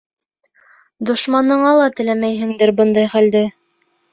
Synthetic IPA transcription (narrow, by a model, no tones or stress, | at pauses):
d̪ŏʃmɑnɤ̆ɴɑlˠɑt̪ɘ̆læmæjɦɘ̆ŋd̪ɘɾbɤnd̪ɑjχæld̪ɘ